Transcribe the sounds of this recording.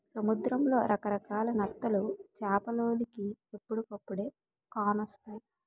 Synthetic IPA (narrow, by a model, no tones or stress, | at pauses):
sɐmud̪ɾɐmlo̞̰ːɾʔɐkɐɾɐkaːlɐnɐt̪ːɐlut͡ʃaːpɐloːlikiepːuɽukɐpːuɽe̞ː | kaːnɔst̪aːji